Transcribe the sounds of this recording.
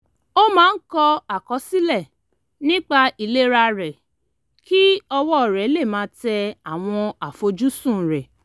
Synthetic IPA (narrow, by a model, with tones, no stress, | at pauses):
o˦mãː˦n̩˦kɔ˧a˨kɔ˨˦si˦lɛ˦˨ | nĩ˦k͡pa˧ʔi˨le˦ɾa˧ɾɛ˨ | ki˦ɔ˧wɔ˦˨ɾɛ˨˦le˦˨mãː˨˦tɛ˧a˨w̃ɔ̃˧a˨fo˧d͡ʒu˦sũ˦˨ɾɛ˨